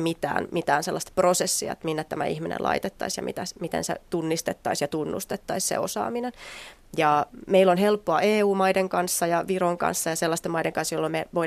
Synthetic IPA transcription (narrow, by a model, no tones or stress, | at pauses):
mit̪æ̰ːnmit̪æːnselːɑst̪prosesːiɑ̰t̪minːæt̪t̪æmæ̰ihminḛnlʔɑ̰it̪et̪ːɑisjɑ̰mʔḭt̪æsmit̪ḛnsḛt̪unːist̪et̪ːɑisjɑt̪unːṵst̪et̪ːɑissḛo̰sɑ̰ːminen | jɑmeilːonɦelpːoɑeːuːmɑideŋkɑnsːɑjɑʋiroŋkɑ̰nsːɑjɑselːɑst̪emɑideŋkɑnsjolːomeʋoi